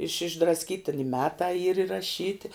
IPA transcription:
ɪʃ ɪʒdrɐsʲˈkʲiːtʲɪ ɪ ˈmʲæːtɑː iːr ɪrɐˈʃʲiːtʲɪ

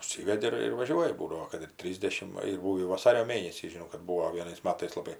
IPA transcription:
ʊʃʲˈsʲiːʋʲɛdʲɪ ɪr ɪr ʋɐˈʒʲuɔjɪ ˈbuːdɐʋoː kɐt ɪr ˈtʲrʲiːzʲdʲɛʃʲɪm ˈʋɐ ɪr ˈbuːʋʲiː ʋɐˈsɑːrʲoː ˈmʲeːnʲɛsʲiː ʒʲɪˈnɐʊ kɐt ˈbuːoː ʋʲiɛˈnɐɪs ˈmɑːtɐɪs lˠɐˈbɐɪ

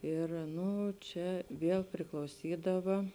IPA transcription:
ˈɪr ˈnʊ ˈt͡ʃʲɛ ˈʋʲiɛlˠ pʲrʲɪklˠɐʊˈsʲiːdɐʋɐ

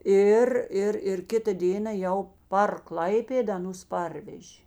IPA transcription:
ˈɪr ˈɪr ɪr ˈkʲɪtɐ ˈdʲeːnɐ ˈjɛʊ pɐr ˈklˠɐɪpʲeːdɐ ɐˈnʊs ˈpɐrʲʋʲɛʒʲeː

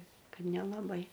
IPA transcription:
ˈkɐt nʲɛlˠɐˈbɐɪ

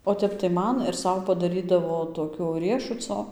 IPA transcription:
oː ˈtʲɛp tɐɪ ˈmɐn ɪr ˈsɐʊ pɐdɐˈrʲiːdɐʋoː toːˈkʲoː ˈrʲiɛʃʊt͡soː

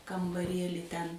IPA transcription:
kɐmbɐˈrʲiɛlʲɪ tʲɛn

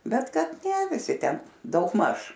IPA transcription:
ˈbʲɛt ˈkɐt nʲɛ ʋʲɪˈsʲɪ ˈtʲɛn dɐʊɡˈmɐʃ

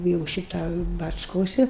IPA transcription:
jɛʊ ˈʃʲɪtɐ bɐt͡ʃˈkoːsʲɪ

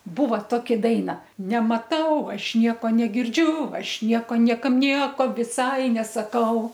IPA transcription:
ˈbuːʋɐ ˈtoːkʲɪ ˈdɐɪnɐ nʲɛmɐˈtɐʊ ˈɐʃ ˈnʲiɛkoː nʲɛɡʲɪrʲˈd͡ʒʲʊ ˈɐʃ ˈnʲiɛkoː ˈnʲiɛkɐm ˈnʲiɛkoː ʋʲɪˈsɐɪ nʲɛsɐˈkɐʊ

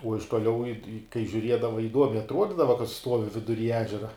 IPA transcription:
uɔ ɪʃ tuɔˈlʲɛʊ ɪ ɪ kɐɪ ʒʲuːˈrʲiɛdɐʋɐ ɪˈduɔmʲɛɪ ɐtˈruɔdʲiːdɐʋoː kɐt ˈstuɔʋʲɪ ʋʲɪdʊˈrʲiː ˈæːʒʲɛrɐ

